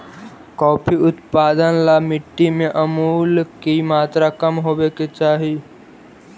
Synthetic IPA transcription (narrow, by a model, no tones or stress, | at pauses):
kɔːpʰiʊt̪paːd̪ənlamɪʈːimẽʔɐmuːlkimaːt̪ɾakəmɦoːbeket͡ʃaːɦi